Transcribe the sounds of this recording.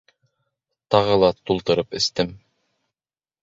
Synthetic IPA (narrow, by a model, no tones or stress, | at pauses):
t̪ɑʁɤlˠɑt̪ulˠt̪ɤ̆ɾɤpɘ̆st̪ɘm